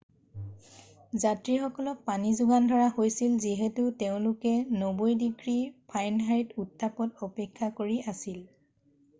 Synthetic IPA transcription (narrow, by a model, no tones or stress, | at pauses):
zatɹixɔkɔlɔk̚panizʊɡandʱɔɹaxojsilziɦɛtʊteʊ̃lʊkɛnobojdiɡɹipʰajnɦajtutʰːapɔtɔpɛkʰːakoɹiasil